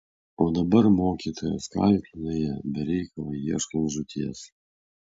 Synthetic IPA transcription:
oːd̪ɐbɐɾmoːkʲiːt̪ʰoːjo̰skɑ̰lʲt̪ʲɪnojɛbʲɛɾʲɛɪkɐlˠɐɪiɛʃkɐnʒʊt̪ʲʰiɛs

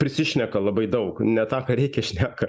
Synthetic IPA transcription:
pʲɾʲɪsʲɪʃʲnʲɛkɐlˠɐbɐɪd̪ɐʊknʲɛt̪ɑːkɐɾʲɛɪkʲɛʃʲnʲæːkɐ

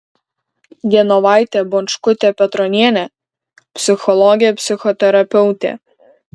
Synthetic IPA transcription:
ɡ̪ʲiɛnɔʋɑˑɪt̪ʲebɔnʃkʊt̪ʲeːpʲɛt̪ɾɔnʲiɛnʲeː | pʲsʲɪxɔlˠɔɡʲɪjɛpʲsʲɪxɔt̪ʲɛɾɐpʲɛʊt̪ʲḛː

